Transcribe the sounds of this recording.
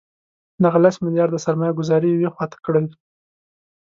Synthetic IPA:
d̪aɣalasmɪlijɑɾd̪əsaɾmɑjaɡʊzɑɾijwexwɑt̪ḁkəɽaj

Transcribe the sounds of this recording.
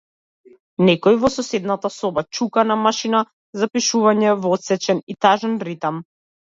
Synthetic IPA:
nɛkɔjvɔsɔsɛd̪nat̪asɔbat͡ʃukanamaʃina | zapiʃuvaɲɛvɔt̪sɛt͡ʃɛnit̪aʒɛnɾit̪am

